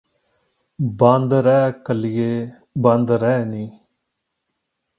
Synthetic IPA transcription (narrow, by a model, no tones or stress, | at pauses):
bə̃nd̪ɾɛːkəlɪjeː | bə̃nd̪ɾɛːniː